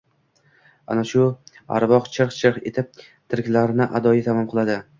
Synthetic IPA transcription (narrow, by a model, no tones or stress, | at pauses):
a̰naʃʊ | a̰ɾbɒqt͡ʃʰɨɾqt͡ʃʰɨqḛt̪ʰɪp̚ | t̪ʰɪɾkʲlaɾnɪʔad̪ɒjɪt̪ʰamɒmqʰɨlˠad̪ɪ